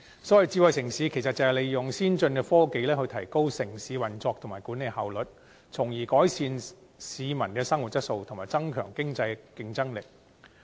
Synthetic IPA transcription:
sɔː˨˥ɐ˨jt͡siː˧wɐ˨jsɪ˨˩ŋsiː˨˧kʰe˨˩sɐ˨t̚t͡sɐ˨hɐ˨wle˨˧jjʊ˨˩ŋsiː˥nt͡sɵ˧nkɛː˧fɔː˥ke˧jlɛː˥hɵ˧jt̪ʰɐ˨˩jko˥wsɪ˨˩ŋsiː˨˧wɐ˨˩nt͡sɔː˧k̚tʰmaː˨˩jkuː˨˥ne˨˧jhɐ˨wlɵ˨t̚ | t͡sʰʊ˨˩ŋjiː˨˩kɔː˨˥jsʰiː˧n | siː˨˧mɐ˨˩nkɛː˧sɐ˥ŋwu˨˩t̚jɐ˥t̚so˧wt̪ʰʊ˨˩maː˨˩jt͡sɐ˥ŋkʰœ̰ː˨˩ŋkɪ˥ŋt͡sɐ˧jkɪ˧ŋt͡sɐ˥ŋlɪ˨k̚

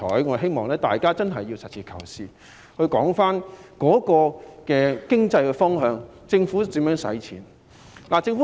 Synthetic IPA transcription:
ɔː˨˥jŋɔː˨˧ɦe˥jmɔː˨˩ŋlɛː˥t̪aː˨˩jkaː˥t͡sɐ˥nɦɐ˨jːi˧wsɐ˨t̚sʰiː˨˩kʰɐ̰˨˩wsiː˨˧ | hɵ˧ɥkɔː˨˥ŋfaː˥nkɔː˨˥kɔː˧kɛː˧kɪ˥ŋt͡sɐ˧jkɛː˧fɔː˥ŋɦœː˧ŋ | t͡sɪ˧ŋfu˨˥t͡siː˨˥mjœː˨˥ŋsɐ̰˨˥jt͡sʰḭː˨˥n | laː˨˩t͡sɪ˧ŋfu˨˦˥

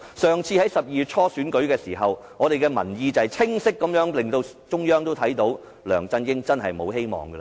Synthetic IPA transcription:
sœː˨ŋt͡sʰiː˧hɐ˨˥jsɐ˨p̚jiː˨jt̚t͡ʃʰɔː˥syː˨˥nkɵ˨˥ɥkɛː˧siː˨˩ɦɐ˨wŋɔː˨˧ɾe˨jkɛː˧mɐ̰˨˩njiː˧t͡sɐ˨ɐ˨jt͡sʰɪ˥ŋsɪ˥kːɐ˨˧˥mjœː˨˥ŋlɪ˨ŋt̪o˧w | t͡ʃʊ˥ŋjœː˥ŋt̪o˥wt̪ʰɐ˨˥jt̪o˨˥w | lœː˨˩ŋt͡sɐ˧njɪ˥ŋt͡sɐ˥nɦɐ˨jmo̰˨˧whe˥jmɔ̰ː˨˩ŋɡɐ˧

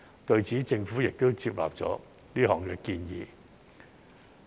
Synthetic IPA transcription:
t̪ɵ˧ɥt͡siː˨˥t͡sɪ˧ŋfuː˨˥jɪ˨k̚t̪o˥wt͡siː˧p̚la̰ː˨p̚t͡sɔ̰ː˨˥ | liː˥ɦɔː˨˩ŋkɛː˧kiː˧njḭː˨˧

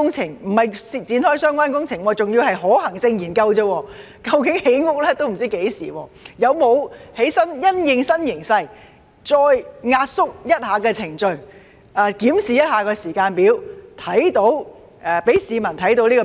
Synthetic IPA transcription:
ʊ˥ŋt͡sʰɪ˨˩ŋm̩˨˩hɐ˨jsi˨t͡siː˧nhɔː˥jsœː˥ŋkʷaː˥nkʊ˥ŋt͡sʰɪ˨˩ŋwɔː˧t͡sʊ˨ŋjiː˧wɦɐ˨jɦɔː˨˥hɐ˨˩ŋsɪ˧ŋjiː˨˩nkɐ˧wt͡sɐ˧wɔː˧ | kɐ˧wkɪ˨˥ŋhe˨˥jŋʊ˨˥k̚lɛː˥t̪o˥wm̩˨˩t͡siː˥ke˨˥jsiː˨˩wɔː˧jɐ˨˧wmo˨˧whe˨˥jsɐ˥njɐ˥njɪ˨˧ŋsɐ˥njɪ˨˩ŋsɐ˧j | t͡sɔː˧jŋaː˧t̚sʊ˥k̚jɐ˥t̚haː˨˧˥kɛː˧t͡sʰɪ˨˩ŋt͡ʃɵ˧ɥ | aː˨˧kiː˨˥msiː˨jɐ˥t̚haː˨˧kɔː˧siː˨˩kaː˧npiː˨˥wt̪ʰɐ˨˥jt̪o˨˥w | ʔɛː˨˩pe˨˥jsiː˨˧mɐ˨˩nt̪ʰɐ˨˥jt̪̬o˧˥wliː˥kɔ˧

